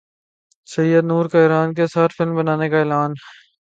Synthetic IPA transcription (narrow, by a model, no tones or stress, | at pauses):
sɐjːəd̪nuːɾkaɪːɾaːnk̬esɐɾfɪlmbɐnaːnekaɛːlaːn